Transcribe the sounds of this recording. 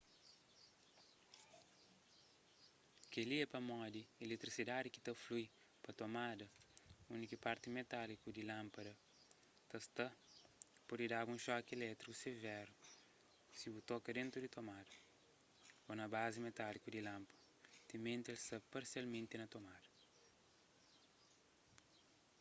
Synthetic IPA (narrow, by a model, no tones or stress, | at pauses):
keliɛpɐmɔd̪ielet̪ɾisidadiki̥t̪ɐfluj | pɐt̪omadɐunikipaɾt̪imet̪alikudilãmpɐdɐ | t̪ɐst̪ɐ | podidaɡũʃɔkelɛt̪ɾikusevɛɾu | sibut̪ɔkɐd̪ẽnt̪ɾudit̪omadɐ | onɐbazimet̪alikudilãmpɐ̥ | t̪imẽnt̪elst̪ɐpɐɾsialmẽnt̪inɐt̪omadɐ